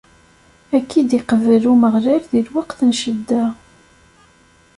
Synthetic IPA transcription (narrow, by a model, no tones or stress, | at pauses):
ækʰːid̪iqəvəluməʁlæɾðilwaqθənʃəd̪ːæ